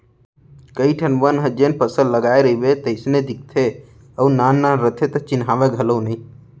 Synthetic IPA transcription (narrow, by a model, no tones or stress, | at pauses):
kəiʈʰənʋənɦəd͡ʒenpəsəlləɡaːeɾəɦibet̪əɪsned̪ɪk̚ʰt̪ʰe | əunaːnːaɾət̪ʰet̪ɐt͡ʃɪnɦaːʋeɡʱəlonĩ